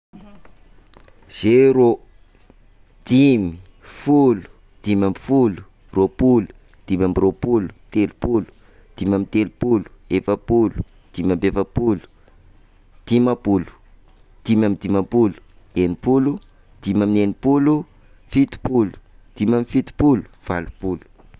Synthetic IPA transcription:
z̥eɾo | d̪̥imi | fulu̥ | d̪̥imambi̥fulu̥ | ropulu̥ | d̪̥imamiropulu̥t̪elupulu̥ | d̪̥imʲamint̪elupulu̥efəpulu̥ | d̪̥imambefəpulu̥ | d̪̥imapulu̥ | d̪̥imamid̪imapulu̥ | enipulu | d̪̥imaminenipulu | fit̪u̥pulu̥d̪̥imamifit̪u̥pulu̥v̥alu̥pulu̥

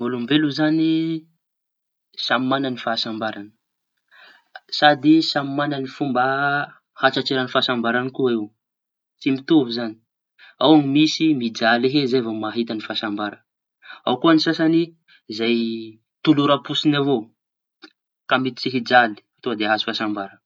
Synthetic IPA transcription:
mulumbeluzani | samimananifasambaɾanə̥ | sad̪isamimananifumba | hat͡ʃat͡ʃeɾanifaːsambaɾanikuiw | t͡simit̪uvuzani̥ | awaŋimisimid͡zaliɦezajvomaɦit̪anifaːsambaɾə | a̰wkuanisasani | zaj | t̪uluɾapusinavo | kamit̪it͡siɦid͡zali̥at̪oad̪eaɦasi̥fasambaɾə

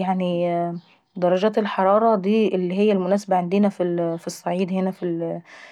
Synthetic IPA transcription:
jaʕni | d̪ɑɾˤɑd͡ʒæːt̪elħɑɾˤɑːɾˤɑd̪iːʔelːiɦejːælmʊnæːsabæʕend̪enæfifisˤːɑʕiːd̪henæfil

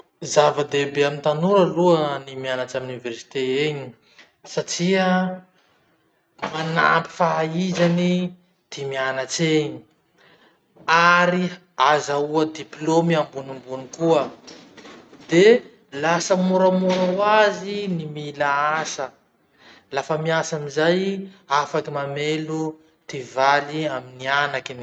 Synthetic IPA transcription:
zavəd̪ebeamint̪anuɾəluənimianat͡ʃaminuniversi̥t̪eeɲi̥ | saʈ͡ʂiə | mana̰pi̥faizani | d̪̥imianat͡seɲi̥ | aɾi | azauəd̪iplomambunimbunikuə | d̪e | lasəmuɾəmuɾawazinimilaasə | lafəmiasamizajafakimamelu | t̪ivaliaminianakin

